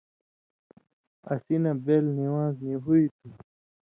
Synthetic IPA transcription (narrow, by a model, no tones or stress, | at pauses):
ɐ̰sinɐbeːlniwãːzniɦuit̪ʰu